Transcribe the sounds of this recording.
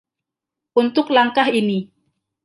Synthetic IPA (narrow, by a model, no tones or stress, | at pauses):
ʔunt̪ʊklaŋkaɦini